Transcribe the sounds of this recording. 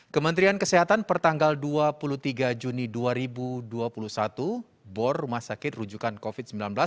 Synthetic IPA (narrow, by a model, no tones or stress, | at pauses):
kəmənt̪ɾiankəseɦat̪anpərt̪aŋɡalduapulut̪iɡad͡ʒuniduaɾibuduapulusat̪u | bɔrːumahsakɪt̪̚rud͡ʒukankofit̪̚səmbilanbəlas